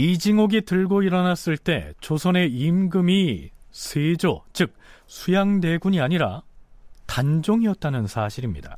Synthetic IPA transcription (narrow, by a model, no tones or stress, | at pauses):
id͡ʑiŋoɡitɯɭɡoiɾʌnas͈ɯɭt͈e̞̰t͡ɕosʰʌne̞imɡɯmisʰed͡ʑot͡ɕɯk̚sʰujaŋde̞ɡuɲiaɲiɾa̰ | tand͡ʑoŋiʌt̚t͈anɯnsʰaɕʰiɾimɲḭda̰